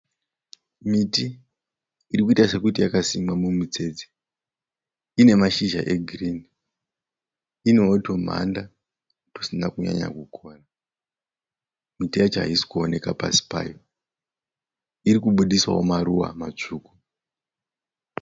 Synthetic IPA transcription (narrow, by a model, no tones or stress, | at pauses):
miti | iɾikuitaʐe̞kutijakasimwamumut͡se̞d͡ze | ine̞maʃiʒa̰ʔe̞ɡʱiriːni | ino̞ːto̞m̤a̰nda | tosinakuɲa̰ɲa̰kukʰo̞ːra | mitijat͡ʃɦa̰isi̥kuone̞kapa̰si̥pa̰ːjo | iɾikuɓuɗiswa̰womaɾuwa̰mat͡ʂuːku